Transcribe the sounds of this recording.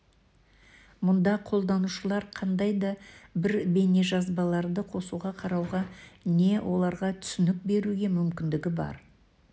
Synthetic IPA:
mʊnd̪ɑqʰo̞lˠd̪ɑnuʃəlˠɑɾqʰɑnd̪ɑjd̪ɑbɪɾbe̞ne̞ʒɑzbɑlˠɑɾd̪əqʰo̞suʁɑqʰɑɾɑwʁɑne̞wʔo̞lˠɑɾʁɑt̪ʰʏ̥sɪnɪk̚be̞ɾuɡʲe̞mʏmkʲɪnd̪ɪɡʲɪbɑ̰ɾ

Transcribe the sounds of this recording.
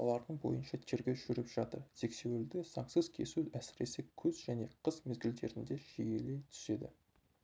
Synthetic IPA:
olˠɑɾd̪əɴbo̞̰jənʃɑt̪ʰeɾɡʲe̞ʒ̥ʏɾɪpʒ̥ɑt̪əɾzʰe̞kse̞weld̪ɪsɑŋsəz̥kʲʰe̞̰suæsɪɾe̞sekʲʰɵzʒæne̞qʰəzmezɡʲɪld̪e̞ɾɪnd̪e̞ʒ̥eje̞le̞jt̪ʰʏ̥se̞d̪ɪ̰

